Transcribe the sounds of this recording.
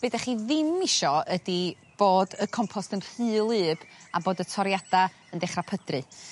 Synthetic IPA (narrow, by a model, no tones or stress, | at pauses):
b̥edaχiːðɪmːɪʃɔədi | b̥oːdəkʰɔmpʰɔstənr̥ɨːlˠɨːb̥a̰boːdətʰɔɾjada | əndɛχrapʰədrɨ